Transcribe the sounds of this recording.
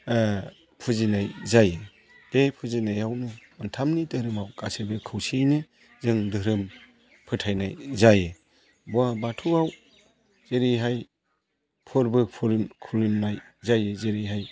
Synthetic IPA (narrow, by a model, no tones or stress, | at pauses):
pʰɯzinajzajɯ | epʰɯzinajawnɯɯntʰamnidɯɾɯmawka̰sebɯkʰɯwsijnɯ | zɯŋdɯɾɯm | pʰɯtʰajna̰jzajɯ | buabatʰuaw | z̥eɾijɦaj | pʰɯɾbɯpʰɯɾkʰulimnaj | zajɯzeɾiɦaj